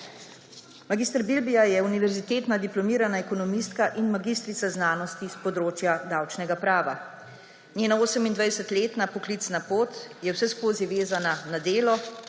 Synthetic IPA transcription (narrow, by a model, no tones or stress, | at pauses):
maɡiːst̪əɾbilbijajɛuniʋɛɾzit̪eːt̪nad̪iplɔmiːɾanaɛkɔnɔmist̪kaʔinmaɡiːst̪ɾit̪aznaːnɔst̪ispɔd̪ɾoːt͡ʃjad̪awt͡ʃnɛɡapɾaːʋa | nʲeːnaoːsɛmind̪ʋajɛsɛt̪leːt̪napɔklit̪snapoːt̪jɛwsɛskoːziʋeːzananad̪eːlɔ